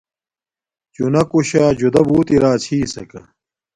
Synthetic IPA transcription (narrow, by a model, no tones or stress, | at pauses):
t͡ɕunɐkuɕaːd͡ʑud̪ɐbuːt̪iɾaːt͡ɕʰiːsɐkɐ̰